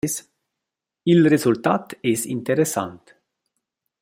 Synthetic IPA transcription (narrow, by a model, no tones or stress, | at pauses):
es | ilrezult̪at̪ɛsint̪eɾesa̰nt̪